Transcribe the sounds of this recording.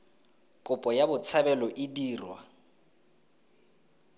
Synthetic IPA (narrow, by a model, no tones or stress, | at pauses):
kʼʊpʼɔjabʊt͡sʰabɛlɔʔɪdiːrwa̰